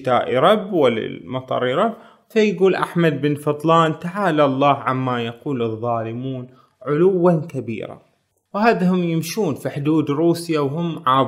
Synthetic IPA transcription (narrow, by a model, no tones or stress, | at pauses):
t̪aːʔɾˤɑbːwalːa̰lmɑt̪ˤɑ̰ɾˤɾˤɑb | fajɡuːlʔaħmad̪̚bɪnfɑt̪ˤlɑːnt̪aʕaːlalˤːɑːhʕamːajaquːlɨðˤːɑːlɪmuːn | ʕʊlʊwːankabḭːɾa̰ | whaːðahʊmjɪmʃuːnfiħʊd̪uːd̪ɾuːsjawhʊmːʕaː